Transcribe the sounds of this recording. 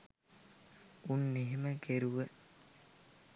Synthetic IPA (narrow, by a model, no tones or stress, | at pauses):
unːeɦeməɡeɾuʋə